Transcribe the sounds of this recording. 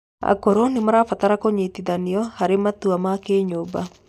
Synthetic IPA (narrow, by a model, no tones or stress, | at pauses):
a̰koɾonimaɾafat̪aɾakoɲit̪iðaniɔhaɾemat̪uamakeːɲoba